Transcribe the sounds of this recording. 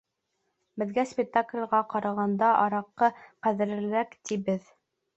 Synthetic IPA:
bɘ̆ðɡæspʲɪk̚t̪aklʲʁɑqɑɾɑʁɑnd̪ɑʔɑɾɑqːɤqæðɘ̆ɾɘ̆lækt̪ibɘð

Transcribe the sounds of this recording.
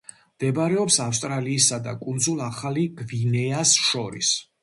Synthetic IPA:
md̪̥ɛbaɾɛɔpsafst̪ʼɾaliːsad̪a̰kʼund̪zulˠaχaliɡvinɛasʃɔɾḭs

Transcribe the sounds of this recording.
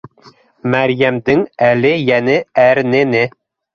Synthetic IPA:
mæɾjæmd̪ɘŋælɘjænɘæɾnɘ̆nɘ

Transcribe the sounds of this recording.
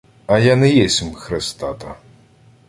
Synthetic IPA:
ɐjanɛjɛsʲimxɾɪst̪ɑt̪ɐ

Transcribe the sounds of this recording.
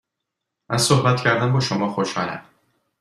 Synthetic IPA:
ʔæzsohbæt̪cʰæɾd̪æmbɒːʃomɒːxoʃhɒ̰ːlæ̰m

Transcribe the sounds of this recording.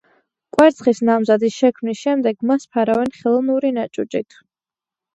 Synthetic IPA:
kʼwɛɾt̪sʰχisnamzad̪isʃɛkʰmnisʃɛmd̪ɛɡmaspʰaɾavɛnχɛlˠɔnuɾinat͡ʃʼut͡ʃʼit̪ʰ

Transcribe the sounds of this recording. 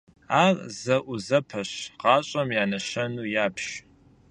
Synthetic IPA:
aːrzɐʔʷʊzɐpʰɐɕqɑːɕʼɐmjaːnɐɕɐnuːjaːpʰʃ

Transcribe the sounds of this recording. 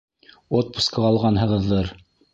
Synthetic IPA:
ot̪̚pu̥skɑɑlˠʁɑnɦɤ̆ʁɤ̆ðːɤɾ

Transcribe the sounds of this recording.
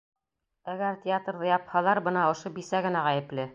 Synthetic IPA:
æɡæɾtʲɪat̪rðɤjɑphɑlˠɑɾbɤnɑŏʃobisæɡɘ̆næʁæjɘ̆plɘ

